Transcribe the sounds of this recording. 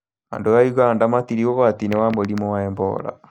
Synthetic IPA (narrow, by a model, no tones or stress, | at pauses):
a̰ndojajuɣandamat̪iɾiɣoɣat̪inewamoɾimowaɛmbɔ̰ːɾa̰